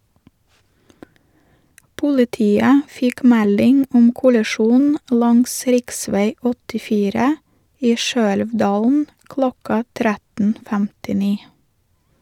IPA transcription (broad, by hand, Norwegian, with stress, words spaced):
pʊlɪˈtiːə ˈfɪk ˈmɛlɪŋ ˈʊm kʊlɛˈʃuːn ˈlɑŋs ˈɾɪkˌsʋeɪ ɔtɪˈfiːɾə ˈiː ˈʃøːɛlʋˌdɑːln̩ ˈklɔkɑ ˈtɾætn̩ fæmtɪˈniː